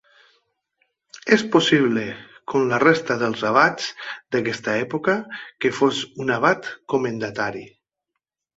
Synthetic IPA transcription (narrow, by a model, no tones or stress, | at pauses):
esposiβlekomlarest̪aðəlˠzaβ̞at͡sd̪akɛst̪aɛpokakefosunaβat̪komẽnd̪at̪aɾi